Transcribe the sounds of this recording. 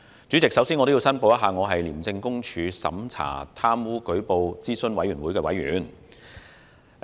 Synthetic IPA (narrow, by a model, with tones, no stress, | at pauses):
t͡ʃy˨˥t͡sɪ˨ksɐ˨˥wsiː˥nɔː˨˧t̪o˥ji˧wsɐ˥npo˧wj̪ɐ˥ɦaː˨˧ŋɔː˨˧ɦɐ˨jliː˨˩mt͡sɪ˧ŋkʊ˥ŋt͡ʃʰyː˨˧sɐ̰˨˥mt͡sʰa̰ː˨˩t̪ʰaː˥mwuː˥kɵ˨˥ɥpo˨˧wt͡siː˥sɵ˧nwɐ˨˥jɥyː˨˩nwu˨˥jkɛː˧wɐ̰˨˥jɥy̰ː˨˥n